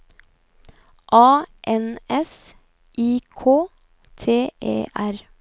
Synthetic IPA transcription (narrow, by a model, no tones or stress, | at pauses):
ʔɑːʔɛnɛs | ʔiːkʰoː | t̪ʰeːʔḛːʔæɾ